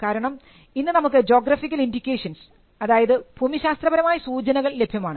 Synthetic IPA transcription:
kaːɾɐɳɐm | inːɨnɐmukːɨd͡ʑo̞ːɡraːfikʲːɐlindikʲːeːʂɐns | ɐðaːjɐðɨbʱumiɕaːst̪rɐbɐɾɐmaːjɐsuːt͡ɕɐnɐɣɐɭle̞bʱjɐmaːɳɨ

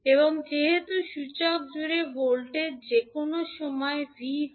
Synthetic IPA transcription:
eboŋd͡ʑeɦet̪uʃut͡ɕak̚d͡ʑuɾebolʈed͡ʑekonoʃɔmɔebʱi

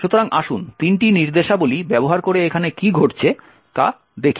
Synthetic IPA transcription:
ʃut̪oɾaŋʔaʃunt̪inʈiniɾd̪eʃabolibɛboɦaɾkoɾeekʰanekiɡʱoʈt͡ɕʰe | k̪a̰ | d̪ekʰi

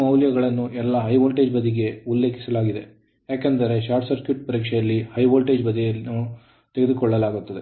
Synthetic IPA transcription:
ɐwljɐɡɐɭɐnːuɛlːɐɦɐjʋoːlʈeːd͡ʒbɐd̪iɡe̞ulːe̞ːkʰi̥sɐlaːɡid̪e̞̰ | jaːkend̪ɐɾe̞ʃaːɾʈsɐɾkjuʈ̚pɐɾiːkʂɛjɐlːihɐjʋoːlʈeːd͡ʒbɐd̪ijɐlnu | t̪e̞ɡed̪ukɔɭːɐlaːɡut̪ːɐd̪e̞

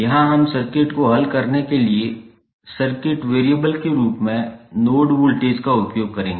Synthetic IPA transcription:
jɐɦãɦɐmsɐɾkɪʈkoɦɐlkɐɾnekelie | sɐɾkɪʈʋeːɾijəbəlkeɾuːpmẽnoːɖʋulʈeːzkaʊpjoːɡ̚kɐɾẽːŋɡeː

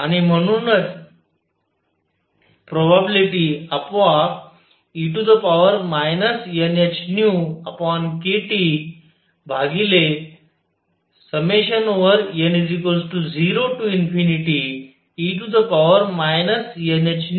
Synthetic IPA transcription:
añim̤əɽ̃unət͡s | pɾobabiliʈiəpʋa | iʈud̪əpaʋəɾmajnəsjənjət͡ɕnjuəpʋankeʈi | bʱaɡile | səmeɕənoʋəɾjənid͡zikəlsʈud͡ziɾoʈuinfiniʈi | iʈ̬ud̪əpaʋəɾmajnəsjənet͡ɕn

